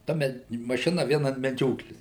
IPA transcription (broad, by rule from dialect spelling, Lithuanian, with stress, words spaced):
ˈtɐ mʲɛ mɐˈʃʲɪnɐ ˈʋʲiɛn ɐn mʲɛˈd͡ʒʲoːklʲeːs